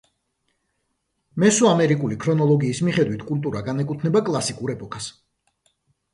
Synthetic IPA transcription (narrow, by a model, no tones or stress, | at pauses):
mɛsuamɛɾikʼulikʰɾɔnɔlˠɔɡiːsmiχɛd̪wit̪ʰkʼulˠt̪ʼuɾaɡanɛkʼut̪ʰnɛbakʼlˠasikʼuɾɛpʼɔkʰʼas